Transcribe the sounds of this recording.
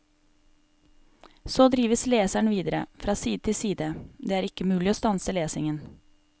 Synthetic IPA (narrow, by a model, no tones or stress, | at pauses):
soːd̪ɾiːʋəsleːsæɳʋiːd̪əɾə̰fɾɑːsiːd̪ət̪ʰɪsiːd̪əd̪eːæːɾɪkːəmʉːlɪoːst̪ɑnsəleːsɪŋən